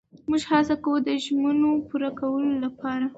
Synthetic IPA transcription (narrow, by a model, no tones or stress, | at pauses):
muʒhɑsakawəd̪əʒmənopuɾakawəlolapɑɾa